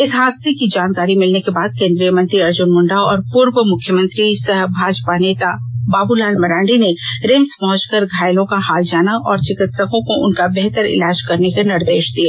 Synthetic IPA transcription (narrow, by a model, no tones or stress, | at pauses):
ɪsɦaːt̪̚sekid͡ʒaːnkaːɾimɪlnekebaːd̪̚kẽːnd̪ɾijəmɐ̃nt̪ɾiɐɾd͡ʒʊnmʊ̃ɳɖaːɔːɾpuːɾwəmʊkʰːjəmə̃nt̪ɾisɐɦbʱaːd͡ʒpaneːt̪abaːbulaːlmɐɾãːɳɖineɾẽːmspɔɦʊ̃t͡ʃkəɾɡʱaːɪlõkahaːld͡ʒaːnaʔɔːɾt͡ʃɪkɪt̪səkõkoʔʊ̰nkabɛɦt̪əɾɪ̰laːd͡ʒkɐɾnekenɪɾd̪eːʃd̪ieː